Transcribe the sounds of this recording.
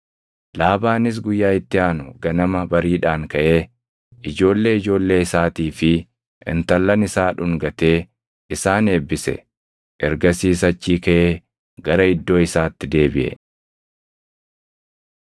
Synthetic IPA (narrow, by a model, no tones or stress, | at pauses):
laːbaːnɪs̬ɡʊjːaːɪt̪ːɪaːnʊɡɐnɐmɐbɐɾiːᶑaːŋkɐʔe̞ː | ɪd͡ʒo̞ːlːe̞ːɪd͡ʒo̞ːlːe̞ːɪsaːt̪iːfɪ | ʔɪ̰nt̪ɐlːɐnɪsaːᶑʊŋɡɐt̪e̞ː | ɪsaːne̞ːbːɪsɛ̰ | ʔɛɾɡɐsiːs̬ɐt͡ʃːiːkɐʔeː | ɡɐɾɐɪd̪ːo̞ːɪsaːt̪ːɪd̪e̞ːbɪʔɛ̰